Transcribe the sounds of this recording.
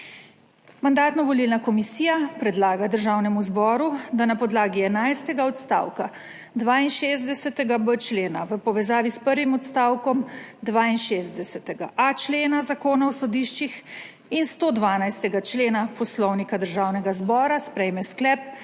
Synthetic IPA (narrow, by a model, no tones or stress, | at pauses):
mand̪aːt̪nɔʋɔlilnakɔmisiːjapɾɛd̪laːɡad̪əɾʒaːwnɛmuzbɔːɾud̪anapɔd̪laːɡiɛnajst̪ɛɡaɔt̪st̪a̰ːwka | d̪ʋaːinʃeːzd̪ɛsɛt̪ɛɡabət͡ʃleːnaʋəpɔʋɛzaːʋispəɾʋimɔt̪st̪aːwkɔmd̪ʋaːinʃeːzd̪ɛsɛt̪ɛɡaʔat͡ʃleːnazakoːnawsɔd̪iːʃt͡ʃix | inst̪oːd̪ʋaːnajst̪ɛɡat͡ʃleːnapɔslɔwnikad̪əɾʒaːwnɛɡazbɔːɾaspɾɛjmɛsklɛp̚